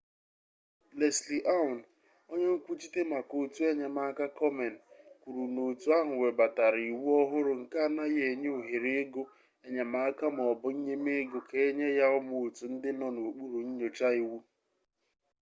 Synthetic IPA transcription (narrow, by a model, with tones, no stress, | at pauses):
le˨sli˨ʔa˦ʊ˨n˨ | o˦ɲe˦ŋ̩˦kʷu˦t͡ʃi˦te˦ma˨ko˨tu˦e˦ɲa˨ma˦a˦ka˦kɔ˦me˨n̩˨kʷu˨ɾu˨no˨tu˨˦a˦ɦʊ˨we˨ba˨ta˨ɾi˨wu˦ɔ˦ɦʊ˦ɾʊ˨ŋ̩˨ka˦˨na˦je˨e˨ɲe˦u˨ɦe˨ɾe˦ɡʊ˦ | e˦ɲa˨ma˦a˦ka˦m˨ɔ˨bʊ˦ɲ̩˦ɲe˦me˦ɡʊ˨ke˨e˦ɲe˦ja˦ʊ˦mo˨o˨tu˨n̩˦dɪ˦nɔ˨no˨o˨k͡pu˦ɾu˨ɲ̩˦ɲo˨t͡ʃa˦i˨wu˦